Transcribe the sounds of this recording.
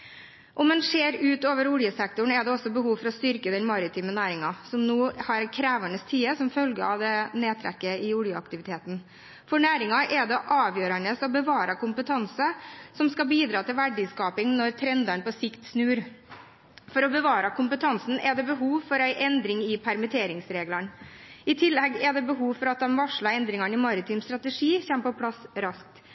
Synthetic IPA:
ʔɔmɛnʂeːɾʉːt̪oːʋəɾʊljəsɛk̚t̪ʊɳ̩ɛɖ̪ɛɔsːɔbəhuːʋfɔɾɔst̪ʏɾkəd̪ɛnmɑɾɪt̪ʰiːmənæːɾɪŋɑsɔmnuːhɑɾɛkʰɾæːʋəɳəst̪ʰiːəsɔmfœlɡəɑ̰ʋd̪ɛneːt̪ʰɾɛ̰kːəɪʊljəɑ̰kt̪ɪʋɪt̪ʰeːt̪n̩ | fɔɳæːɾɪŋɑʔɛd̪ɛʔɑːʋjøːɾənəsɔbəʋɑːɾəkʰʊmpət̪ʰɑnsəsɔmskɑbiːd̪ɾɑːt̪ɪlʋæɖɪskɑːpɪŋnɔɾt̪ʰɾɛnd̪əɳpɔsɪkt̪snʉːɾ | fɔɾɔbəʋɑːɾəkʊmpət̪ʰɑnsn̩ʔɛd̪ɛbəɦuːʋfɔɾæɪʔɛnd̪ɾɪŋɪpʰæɾmət̪ʰeːɾɪŋsɾeːɡləɳ | ɪt̪ʰɪlːɛɡɛd̪ɛbəɦuːʋfɔɾɑt̪̚d̪ɛmʋɑʂɭɑɾɛnd̪ɾɪŋɑɳɪmɑɾɪt̪ʰiːmst̪ɾɑt̪əʂiːçɛmpɔpʰlɑsɾɑsk̚t̪

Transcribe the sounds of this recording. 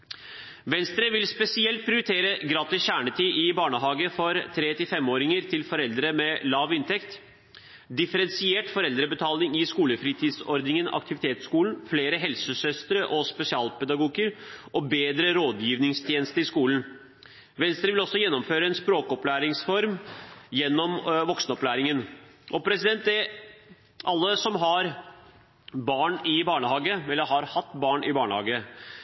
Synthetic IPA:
ʋɛnst̪ɾəʋɪlspɛsɪɛlt̪̚pʰɾɪʊɾɪt̪ʰeːɾəɡɾɑːt̪ɪsçæːɳət̪ʰiːʔɪbɑːɳəɦɑːɡəfɔɾt̪ʰɾeːt̪ɪlfɛmoːɾɪŋəɾt̪ʰɪlfɔɾɛld̪ɾəmɛlɑːʋɪnt̪ʰɛkt̪ | d̪ɪfəɾɛnsɪeːʈfɔɾɛld̪ɾəbət̪ʰɑːlɪŋɪskuːləfɾiːt̪ʰiːd̪sɔɾd̪nɪŋən̰ʔɑ̰k̚t̪ɪʋɪt̪ʰeːt̪skuːln̩fleːɾəɦɛlsəsœst̪əɾəʔɔspɛsɪɑːlpɛd̪ɑɡuːɡəɾʔɔbeːd̪ɾəɾoːd̪jiːʋnɪŋst̪ʰjeːnəst̪əɾɪskuːln̩ | ʋɛnst̪ɾɪʋɪlɔsːɔjɛnːɔmføːɾəɛnspɾoːkɔplæːɾɪŋsfɔɾmjɛnːɔmʋɔksnɔplæːɾɪŋənʔɔpʰɾɛsɪd̪ɛnt̪ɛ | ʔɑlːəsɔmɦɑɾ | bɑːɳɪbɑːɳəhɑːɡəɛlːəɾhɑɾhɑt̪ːbɑːɳʔɪbɑːɳəhɑ̰ːɡə

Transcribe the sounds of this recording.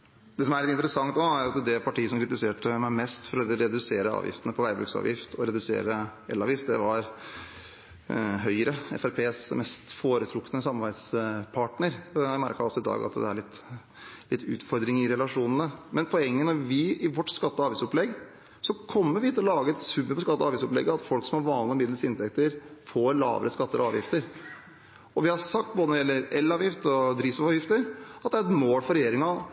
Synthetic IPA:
d̪ɛs̬ɔmæɭɪt̪ːɪnt̪əɾəsɑŋt̪noæɾɑt̪d̪ɛpʰɑʈiːəsɔmkʰɾɪt̪ɪseːʈəmæɪmɛst̪fɔɾɔɾɛd̪ʉseːɾəɑ̰ːʋjɪ̰ft̪ənəpʰɔʋæɪbɾʉksɑ̰ːʋjɪft̪ʰɔɾɛd̪ʉsḛːɾəɛ̰lɑːʋjɪft̪̚d̪ɛʋɑɾ | ɦœʏəɾəɛ̰fæɾpʰeːsmɛst̪foːɾət̪ʰɾʊkːənəsɑmɑbæɪd̪spʰɑʈɳəɾæɪmæɾkəɾɔsːɔɪd̪ɑ̰ːɡɑ̰t̪d̪ɛ̰æɭɪt̪ː | lɪt̪ʰːʉ̰ːt̪fɔɾd̪ɾɪŋɪɾɛlɑʂuːnənəmɛnpʰɔɛŋːənɔɾʋɪɪʋɔʈːskɑt̪ːəɑːʋiːsɔplɛɡː | sɔkʰɔmːəɾʋɪɪt̪ʰːɪlɔlɑːɡəɛt̪sʉmːəpʰɔskɑt̪ːəɑːʋiːsɔplɛ̰ɡːəɑt̪fɔlksɔmɑɾʋɑːnlɪɔmɪd̪ləsɪnt̪ʰɛk̚t̪əɾfoːɾlɑ̰ːʋəɾəskɑt̪ːəɾɑ̰ːʋjɪft̪əɾ | ɔʋɪhɑsɑk̚t̪̚boːd̪ənɔɾjɛlːəɾɛlːɑːʋjɪft̪ɔd̪ɾiːsɔʋɑːjɪft̪əɾɑt̪d̪æɾɛt̪moːlfɔɾɛjeːɾɪŋɑ

